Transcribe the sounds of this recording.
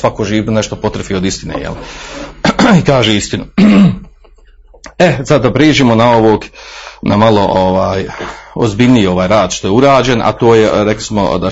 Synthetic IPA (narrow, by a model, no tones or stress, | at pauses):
ʋakoːʒiːʋnoneʃt̪opo̞t̪ɾefiod̪ist̪inḛːjḛl | ikaːʒeːist̪inu | esad̪ːapɾeːʒiːmonaoʋoːɡnamalˠo̞ʔoʋaːjozbiʎniio̞ʋaːjɾaːd̪ʃt̪ojeuɾaːd͡ʒenʔa̰t̪oːjeɾekli̥smo̰d̪a